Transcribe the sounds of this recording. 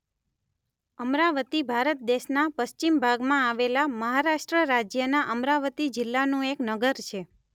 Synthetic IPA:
əmɾaʋət̪ibʱaɾət̪̚d̪eʃnapəʃt͡ʃimbʱaɡmãaʋelaməɦaɾaʃʈɾəɾad͡ʒjənaʔəmɾaʋət̪id͡ʒɪlːanũeknəɡəɾt͡ʃʰe

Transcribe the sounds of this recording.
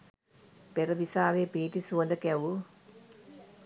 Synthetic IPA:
peɾɐʋisaːʋeːpiːʈisuʋɐnd̪ɐkɛʋu

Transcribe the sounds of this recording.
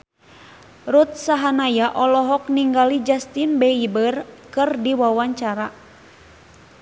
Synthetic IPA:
rut̪̚saɦanajaʔɔlɔɦɔk̚niŋɡalid͡ʒast̪inbɛibərkɨrdiwawaɲt͡ʃaɾa

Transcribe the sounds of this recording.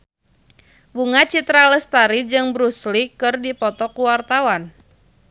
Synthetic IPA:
buŋat͡ʃit̪ɾaləst̪aɾid͡ʒɨŋbɾuslikɨrdipɔt̪ɔkuwart̪awan

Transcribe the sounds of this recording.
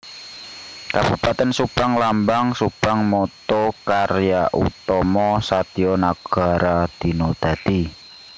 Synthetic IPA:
kab̥upat̪ɛnsupaŋlambaŋsupaŋmɔt̪ɔkarjaʔṵt̪ɔmɔsat̪iɔnaɡ̥a̤ɾad̪̥i̤nod̪̥a̤d̪̥i

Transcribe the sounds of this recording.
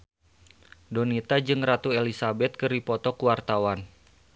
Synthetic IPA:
dɔnit̪ad͡ʒɨŋrat̪uelisabɛt̪̚kɨripɔt̪ɔkuwart̪awan

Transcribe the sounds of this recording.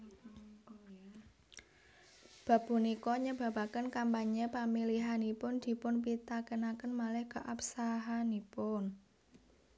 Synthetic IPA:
b̥a̤b̥ṳnikɔɲəb̥a̤bakənkampaɲəpamiliɦanipʊnd̪̥i̤pʊnpit̪akənakənmalɛhkəʔapsaɦanipʊn

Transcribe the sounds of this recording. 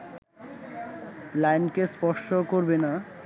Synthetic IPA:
lajnkespɔʃokoɾbena

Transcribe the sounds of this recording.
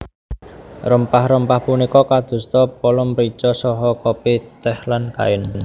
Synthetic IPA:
rəmpahrəmpahpunikɔkad̪̥ṳst̪ɔpɔlɔmɾit͡ʃɔsɔɦɔkɔpit̪ɛhlanka̰ɪn

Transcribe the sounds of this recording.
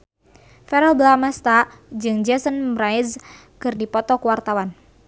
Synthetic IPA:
fɛɾəlbəlamɛst̪ad͡ʒɨŋd͡ʒɛsənraɪz | kɨrdipɔt̪ɔkəwart̪awan

